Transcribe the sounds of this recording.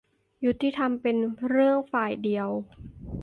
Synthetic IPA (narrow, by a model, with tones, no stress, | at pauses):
ju˦˥t̪ːiː˧˥˩t̪ʰa˧mpe˧nɾɯ˥˩əŋfaː˨˩jdi˧əw